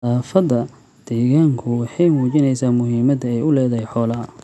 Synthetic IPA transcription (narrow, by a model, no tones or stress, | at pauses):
aːfɐd̪ɐ | d̪̥ɛːɣaːŋkʰʊwɑħɑjmuːt͡ʃɪnɛjsaːmʊɦiːmɐd̪ɐɛjʊlɛːðɐɦɛjħɔːlɐɦɐ